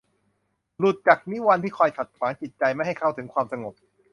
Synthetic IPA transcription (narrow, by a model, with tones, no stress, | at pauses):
lu˨˩t̪̚t͡ɕa˨˩k̚ni˦˥wa˧nt̪ʰiː˥˩kʰɔː˧jt̪ʰa˨˩t̪̚kwaː˩˦nt͡ɕi˨˩t̪̚t͡ɕa˧jma˥˩jɦa˥˩jkʰa˥˩wt̪ʰɯ˩˦ŋkʰwaː˧msa˧ŋo˨˩p̚